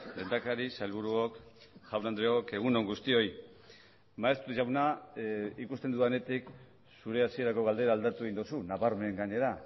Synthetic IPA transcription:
le̞nd̪akaɾisalβuɾuokʝawnand̪ɾeoke̞ɣ̞uno̞ŋɡust̪io̞j | maest̪uʝawna | ikust̪e̞nd̪uane̞t̪ik | suɾe̞asie̞ɾako̞ɣ̞ald̪e̞ɾaːld̪at̪ue̞ɣind̪usunaβaɾme̞ŋɡaɲe̞ɾa

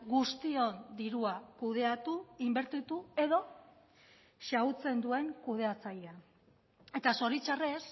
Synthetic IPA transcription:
ɡust̪io̞nd̪iɾuakuð̞e̞at̪uimbe̞ɾt̪it̪ue̞ðo̞ | ʃaut͡se̞nd̪ue̞ŋkuð̞e̞at͡sajea | e̞t̪aso̞ɾit͡ʃare̞s

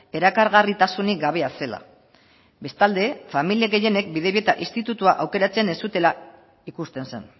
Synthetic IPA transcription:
e̞ɾakaɾɣarit̪asunik̚ɡaβ̞e̞ase̞la̰ | be̞st̪ald̪e̞familieɣe̞je̞ne̞kbiðe̞βie̞t̪aʔist̪it̪ut̪uaʔawke̞ɾat͡se̞ne̞sut̪e̞la | ikust̪e̞nse̞̰n

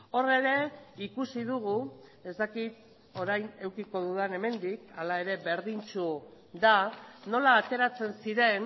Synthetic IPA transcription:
o̞re̞ɾe̞ikusiðuɣue̞zt̪akit̪̚ | o̞ɾajne̞wkiko̞ðuðane̞me̞nd̪ikalae̞ɾe̞βe̞ɾðint͡ʃu | ðano̞laːt̪e̞ɾat͡se̞nsiɾe̞n

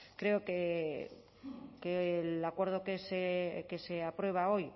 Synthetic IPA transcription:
kɾe̞oke | kelakwe̞ɾð̞okesekese̞apɾwe̞β̞ao̞j

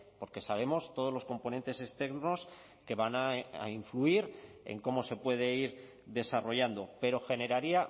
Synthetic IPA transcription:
po̞ɾke̞saβe̞mo̞st̪o̞ð̞o̞zlosko̞mpo̞ne̞nt̪e̞se̞st̪e̞ɣno̞s | ke̞βanaa̰iɱfluiɾ | e̞̰ŋko̞mo̞se̞pwe̞ð̞e̞iɾ | ðe̞saro̞ʝand̪o̞pe̞ɾo̞xe̞ne̞ɾaɾia

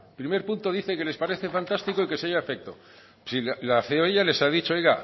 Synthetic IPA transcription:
pɾime̞ɾpunt̪o̞ðiθe̞ke̞le̞spaɾe̞θe̞fant̪ast̪iko̞ike̞seʝaefek̚t̪o̞̰ | sillaθeoeʝale̞saðit͡ʃoojɣa

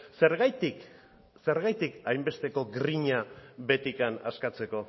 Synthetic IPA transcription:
se̞ɾɣajt̪ik | se̞ɾɣajt̪ikajmbe̞st̪e̞ko̞ɡɾiɲaβe̞t̪ikana̰skat͡se̞ko̞

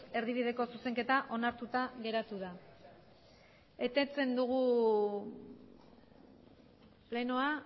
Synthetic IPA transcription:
e̞ɾðiβ̞iðe̞ko̞suse̞ŋke̞t̪aʔo̞naɾt̪ut̪aɣe̞ɾat̪uða | e̞t̪e̞t͡se̞nd̪uɣu | leno̞a

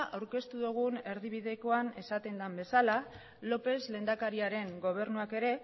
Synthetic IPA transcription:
ʔawɾke̞st̪uðuɣ̞une̞ɾðiβ̞iðe̞ko̞ane̞sat̪e̞nd̪ambe̞sala | lo̞pe̞zle̞ːnd̪akaɾiaɾe̞ŋɡo̞β̞e̞rnuake̞ɾe̞

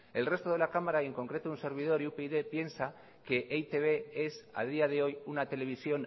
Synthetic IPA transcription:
e̞lre̞st̪o̞ðe̞lakamaɾaie̞ŋko̞ŋkɾe̞t̪ounse̞ɾβ̞ið̞o̞ɾiupeiðe̞pje̞nsa | ke̞ʔejt̪e̞βe̞e̞sa̰ðiaðe̞o̞junat̪e̞le̞β̞isjo̞n

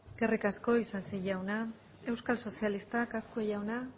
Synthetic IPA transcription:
kerikasko̞isasiʝawna | e̞wskalso̞sialist̪akaskueʝawna

